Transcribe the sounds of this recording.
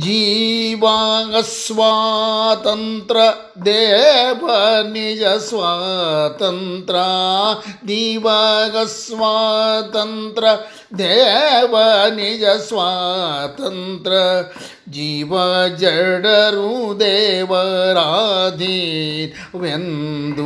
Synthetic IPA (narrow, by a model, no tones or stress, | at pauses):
d͡ʒiːʋaɡɐsʋat̪ɐnt̪ɾɐ | d̪ɛːʋɐnid͡ʒɐsʋaːt̪ɐnt̪ɾɐ | d̪iːʋɐɡɐsʋaːt̪ɐnt̪ɾɐ | d̪ɛːʋɐnid͡ʒɐsʋaːt̪ɐnt̪ɾɐ | d͡ʒiːʋɐd͡ʒɐɖɐɾud̪ɛːʋɐɾaːd̪ʱi | ʋend̪u